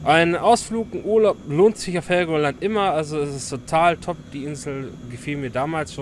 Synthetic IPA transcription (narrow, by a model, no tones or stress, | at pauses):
ʔaɪnʔaʊsfluːkŋ̩ʔuːɐlaʊploːntz̥ɪçaʊfhɛlɡoɐlantʔɪmɐʔalzoɛsɪstʰotʰaːltʰɔp̚d̥iːʔɪnzl̩ | ɡəfiːlmiːɐdaːmaːlsʃoːn